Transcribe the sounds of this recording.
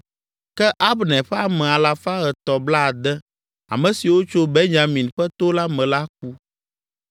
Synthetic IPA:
kɛ˦ʔa˦bnɛ̃˨ɸɛ˦a˦˨mɛ̃˨a˨la˦fa˦ɣɛ˨t̪ɔ˨bla˦a˨d̪ɛ˦ | a̰˨mɛ̃˨si˨wo˦t͡ʃo˦bɛ˦ɲã˨mĩ˨nɸɛ˦t̪o˦la˦mɛ̃˨la˦k̚u˦

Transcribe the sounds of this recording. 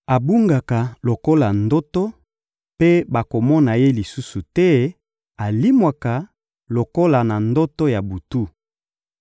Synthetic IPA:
a˨bu˦ŋɡa˨ka˨lo˨ko˦la˨ndo˦to˦ | pe˦ba˨ko˨mɔ˦na˨je˦li˨su˦su˨tɛ˦ | a˨li˦mwa˨ka˨ | lo˨ko˦la˨na˨ndo˦to˦ja˨bu˨tu˦

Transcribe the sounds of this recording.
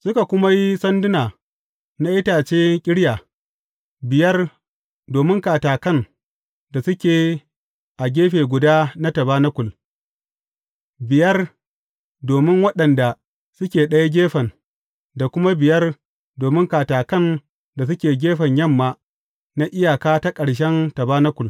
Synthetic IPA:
sʊ˦ka˨kʷʊ˦ma˦ji˦sɐ˦ndʊ˦naː˨ | na˦ʔɪ˦taː˨t͡ʃeː˦kʲʼɪ˦ɽjaː˨ | bɪ˨jɐ˦r | doː˨mɪ˦ŋkaː˨taː˨kɐ˦˨n | da˨sʊ˦kʲeː˨ | ʔa˨ɡʲeː˦ɸeː˨ɡʷʊ˨daː˦na˦tɐ˨baː˦na˦kʷʊ˨l | bɪ˨jɐ˦r | doː˨mɪ˦ŋwɐ˦ɗɐ˨nda˨ | sʊ˦kʲeː˨ɗɐ˦ja˦ɡʲeː˦ɸɐ˨n | da˨kʷʊ˦ma˦bɪ˨jɐ˦r | doː˨mɪ˦ŋkaː˨taː˨kɐ˦˨n | da˨s̬ʊ˦kʲeː˨ɡʲeː˦ɸɐ˨ɲjɐ˦˨mːaː˦ | na˦ʔɪ˦jaː˨kaː˦ta˦kʼɐ˨ɽʃ̬ɛ˦ntɐ˨baː˦na˦kʷʊ˨l

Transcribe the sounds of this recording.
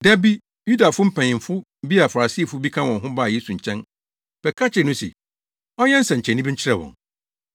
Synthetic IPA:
dɛ˦bi˦ | ju˦da˨fʊ˦m̩˦pʰɛ̃˨ɪ̃˨ɱ˨fʊ˦m̩˦bi˦a˨fa˨ɾa˨si˦˨fʊ˦bi˦kʰã˦wɔ̃˨nɦʊ̃˦ba˦˨je˦su˨ɲ̩˨t͡ɕʰɛ̃˦n | b̥ɛ˨kʰa˦t͡ɕʰɪ˨nʊ̃˦sɛ̰˨ | ɔ˦ɲɛ˦n̩˦sɛ̃˨ɲ̩˨t͡ɕʰɛ̃˨nːĩ˦bi˦ɲ̩˦t͡ɕʰɪ˦ɾɛ˦˨wɔ̰̃˨ŋ

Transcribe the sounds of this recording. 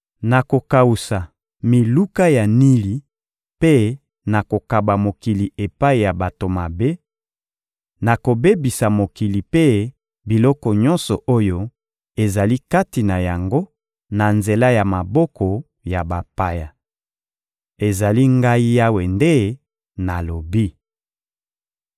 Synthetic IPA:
na˨ko˨ka˨wu˨sa˨ | mi˨lu˦ka˦ja˨ni˦li˨ | pe˦ | na˨ko˨ka˨ba˨mo˨ki˨li˨e˨pa˦i˨ja˨ba˨to˨ma˨be˦ | na˨ko˨be˦bi˨sa˨mo˨ki˨li˨pe˦ | bi˨lɔ˦kɔ˨ɲɔ̃˦nsɔ˨ʔo˦jo˦ | e˨za˨li˦ka˦ti˨na˨ja˨ŋɡo˦ | na˨nze˨la˦ja˨ma˨bɔ˦kɔ˨ | ja˨ba˨pa˨ja˨ | e˨za˨li˦ŋɡa˦i˦ja˦we˨nde˦ | na˨lo˨bi˦

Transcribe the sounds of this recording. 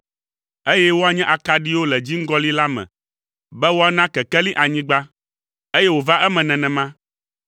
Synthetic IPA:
e˦jɛ˦wo˦a˨ɲɛ̃˦ʔa˨ka˨ɖi˦wo˦lɛ˨d͡ʑi˦ŋ̩˦ɡɔ˦li˦la˦mɛ̰̃˨ | bɛ˦wo˦a˦˨nã˦kɛ˨kɛ˦lĩ˦ʔa˨ɲĩ˦ɡ͡ba˦ | e˦jɛ˦wo˨va˦ʔɛ˦mɛ̃˨nɛ̃˨nɛ̃˨mã˦

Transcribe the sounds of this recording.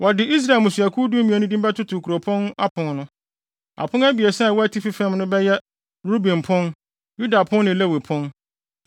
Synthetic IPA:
wɔ˨dɪ˨i˦s̬ɾa˨e˨lmʊ̃˨su˨a˨kʰu˦du˦mĩ˨ɛ˨nʊ̃˦dĩ˦m˦ba˦tʰʊ˦tʰʊ˨kʰɾo˨pʰɔ̃˦na˦pʰʊ̃˨nnʊ̃˦ | a̰˨pʰʊ̃˦næ˦bi˨e˨sɛ˦a˨wɔ˦æ˦tʰi˦fi˦fɛ̃˦mnʊ̃˦bɛ˦jɛ˦ | ɾu˦bĩ˨m˨pʰʊ̃˦n | ju˦da˨pʰʊ̃˦nnɪ̃˨le˦we˨pʰʊ̃˦n

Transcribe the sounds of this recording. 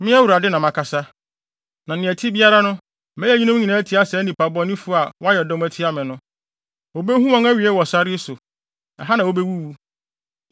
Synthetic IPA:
mɪ̃˦æ˦wu˨ɾa˨dɪ˦nã˨mã˨kʰa˨sa˦ | nã˨nɪ̃˨ɛ˨tʰi˦bi˦a˦ɾa˦nʊ̃˦ | mɛ̃˦ɛ˦ɲĩ˦nʊ̃˦ɲĩ˨nã˨˦æ˦tʰi˨˦a˦sɛ˨˦nĩ˨pa˨bɔ̃˦nĩ˦fu˦˨a˨wɔ˦a˦jɛ˨dɔ˦m˦æ˨tʰi˦a˦mɪ̃˨nʊ̃˦ | o˨be˦hũ˦mɔ̃˦ŋæ˦ɥi˨ɛ˦wɔ˨sa˦ɾɪ˦sʊ˨ | ɛ̰˨ɦa˦nã˨wo˦be˦wu˦wu˦

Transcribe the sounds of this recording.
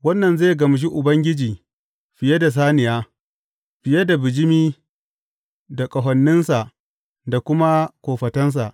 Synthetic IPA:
wɐ˦nːɐ˨nzeː˦˨ɡɐ˨m˨ʃ̬i˦ʔʊ˨bɐ˦ŋɡʲɪ˦d͡ʒiː˨ | ɸɪ˨je˦da˨s̬aː˦nɪ˨jaː˦ | ɸɪ˨je˦da˨bɪ˨d͡ʒɪ˦miː˦ | da˨kʼɐ˨ɦɐ˨nːɪ˦nsa˨ʔ | da˨kʷʊ˦ma˦kʷoː˨ɸɐ˨tɐ˦ns̬a̰˨ʔ

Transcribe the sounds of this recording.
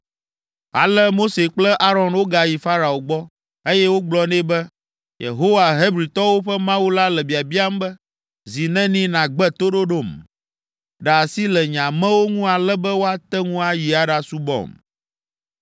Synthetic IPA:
a̰˨lɛ˦mo˦se˨k͡plɛ˦ʔa˦ɾɔ˨nwo˦ɡa˨ji˨fa˦ɾa˨o˨ɡ͡bɔ˦ | e˦jɛ˦wo˦ɡ͡blɔ˦nɛ̃˦bɛ˦ | jḛ˨ɦo˦wa˨ɦe˦bɾi˨t̪ɔ˦wo˦ɸɛ˦mã˦wu˦la˦lɛ˨bi˨a˨bi˦a˦m˦bɛ˦ | zi˨nɛ̃˦nĩ˦nã˨ɡ͡bɛ˦t̪o˦ɖo˦ɖo˦˨m | ɖa˨a˨si˦lɛ˨ɲã˨mɛ̃˦wo˦ŋũ˦a˨lɛ˦bɛ˦wo˦a˦t̪ɛ˦ŋũ˦a˨ji˨a˨ɖa˦su˦bɔ̰˦˨m

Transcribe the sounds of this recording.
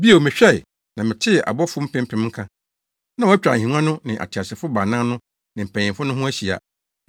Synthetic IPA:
bi˦o˨mɪ̃˨ɕᶣɛ˦˨ɪ˨ | nã˨mɪ̃˨tʰɪ˦˨ʔa̰˨bɔ˦fʊ˦m̩˦pʰɪ̃˦m̩˦pʰɪ̃˨˦mŋ̩˦kʰã˦ | nã˦wɔ˨˦æ˦t͡ɕᶣɾa̰˨hĩ˨n˦ã˦nʊ̃˦nɪ̃˨ʔa̰˨tʰi˨a˨sɪ˨fʊ˦ba˨nã˦nʊ̃˦ | nɪ̃˨m̩˨pʰæ̃˨ɲɪ̃˨mfʊ˦nʊ̃˦ɦʊ̃˦æ˦ɕi˨a̰˨

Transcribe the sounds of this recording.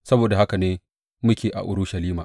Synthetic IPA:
sɐ˦boː˨da˨ha˦ka˨neː˦ | mʊ˦kʲeː˨ʔa̰˨ʔʊ̰˦ɾʊ˦ʃɐ˨liː˦maː˨

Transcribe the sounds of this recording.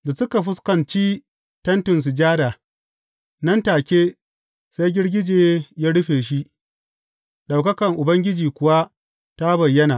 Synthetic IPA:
da˨sʊ˦ka˨ɸʊ˦skɐ˨nt͡ʃiː˦ | tɐ˦ntʊ˨ns̬ʊ˨d͡ʒaː˦daː˨ | nɐ˦ntaː˨kʲeː˦ | sa˦jɡʲɪ˦ɽɡʲɪ˦d͡ʒeː˨jaː˦ɽʊ˦ɸeː˨ʃ̬i˦ | ɗa˨wkɐ˦kɐ˨ŋʔʊ˨bɐ˦ŋɡʲɪ˦d͡ʒiː˨kʷʊ˨wa˦ | ta˦bɐ˨jːɐ˦naː˨

